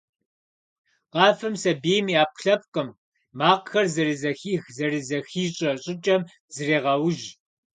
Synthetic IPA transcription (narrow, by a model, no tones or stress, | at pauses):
qɑːfɨmsɐbeːmiːaːp̚ɬɐp̚qʼəmː | aːqxɐrzɐrizɐxiːxzɐrizɐxiːɕʼɐɕʼɪt͡ʃʼɐm | z̥ɨreːʁɐwʊʒ